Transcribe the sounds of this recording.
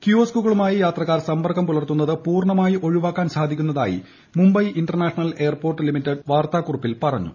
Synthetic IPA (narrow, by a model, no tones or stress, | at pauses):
kjuoːskuɣɐɭumaːjijaːt̪rɐkːaːrsɐmbɐrkɐmp̪ulɐrt̪ːunːɐðɨpuːrɳɐmaːjiʔo̞ɻuʋaːkːaːnsaːd̪ʱikʲːunːɐða̰ːjḭ | mumbɐjʔinɖɐrɳaːʂɐnɐle̞ːɐrpoːrʈːɨlimitːɐɖʋaːrt̪aːkurupːilpɐrɐɲːṵ